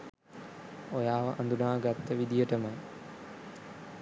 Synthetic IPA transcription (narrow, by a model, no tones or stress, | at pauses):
ojaːʋəʔɐ̰nd̪unaːɡat̪ːəʋid̪ijəʈəmɐj